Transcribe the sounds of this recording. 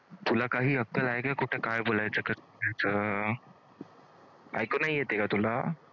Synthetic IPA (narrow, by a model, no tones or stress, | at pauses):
t̪ulakaɦiːəkːəlaekakuʈʰekajbolajt͡səkət͡sbolajt͡sə | a̰jkonaɦijet̪ekat̪ula